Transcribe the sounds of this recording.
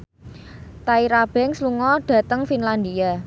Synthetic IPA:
t̪aiɾab̥ɛŋsluŋɔɖ̥ä̤t̪əŋfinland̪ia

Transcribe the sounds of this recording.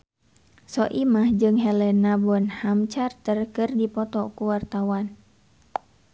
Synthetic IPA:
sɔʔimahd͡ʒɨŋɦɛlɛnːabɔnhamt͡ʃart̪ərkɨrdipɔt̪ɔkuwart̪awan

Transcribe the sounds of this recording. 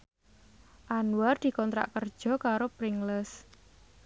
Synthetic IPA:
ʔanuward̪̥i̤kɔnt̪ɾa̰ʔkərd̥ʒ̥ɔ̤kaɾopɾɪŋləs

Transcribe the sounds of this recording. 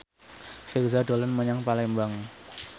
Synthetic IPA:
firzaɖolənməɲaŋpalɛmbaŋ

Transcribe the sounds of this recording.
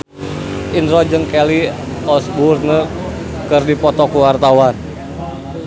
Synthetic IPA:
ʔinrɔd͡ʒɨŋkɛli | ɔsburnə | kərdipɔt̪ɔkuwart̪awan

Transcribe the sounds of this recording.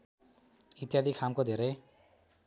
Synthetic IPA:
it̪jad̪ʱikʰamkod̪ʱeɾej

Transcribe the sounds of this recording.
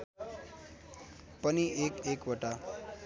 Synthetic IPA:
pʌniekekoʈa

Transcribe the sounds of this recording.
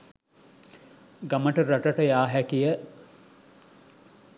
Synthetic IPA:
ɡaməʈəɾɐʈəʈəjaːɦækijə

